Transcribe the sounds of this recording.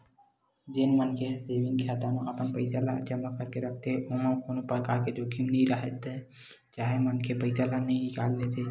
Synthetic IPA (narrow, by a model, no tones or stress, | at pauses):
d͡ʒenmənkʰeseːʋɪ̃ŋɡkʰaːt̪amẽʔəpənpəɪsalad͡ʒəməkəɾkeɾəkʰt̪eʔoməkoːnopɾəkaːɾked͡ʒokʰimnĩɾəɦɛt̪ | t͡ʃaːɦemənkʰepəɪsalanəĩnɪkaːlːet̪ʰe